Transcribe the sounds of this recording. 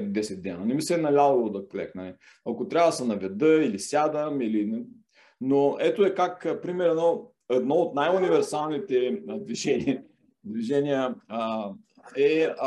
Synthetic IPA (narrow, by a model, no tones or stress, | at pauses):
d̪ɛsɛt̪d̪ɛnɐnɛmisɛnɐlʲalˠolˠod̪ɐklɛ̰knɐlɛ | ɐkot̪ɾʲabvəsɐnɐvʲɛd̪əilisʲjad̪əmilin | noɛt̪oɛkakpɾimɛɾɛd̪nɔ | ɛd̪nɔot̪najʊnivɛɾsalˠnit̪ɛd̪viʒɛni | d̪viʒɛniə | ɛ